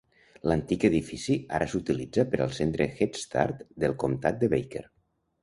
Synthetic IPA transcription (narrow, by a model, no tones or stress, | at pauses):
lənt̪ikəðifisia̰ɾʔəsut̪ilid͡zəpəɾə̰lˠsent̪ɾəxet̪st̪a̰ɾt̪d̪əlˠkomt̪at̪̚d̪əβejkḛɾ